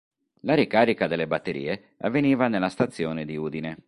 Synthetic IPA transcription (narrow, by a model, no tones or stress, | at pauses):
laɾikaːɾikad̪elːebat̪ːeɾḭːe | avːeniːvanelːast̪at̪sːjɔːned̪iuːd̪ine